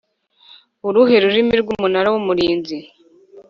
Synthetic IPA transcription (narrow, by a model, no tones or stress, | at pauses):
uɾuɦe̞ɾuɾimiɾɡumunaɾawumuɾiːnzi